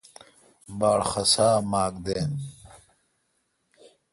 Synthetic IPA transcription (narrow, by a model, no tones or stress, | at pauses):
baːɽxɐsaːmaːkd̪eːn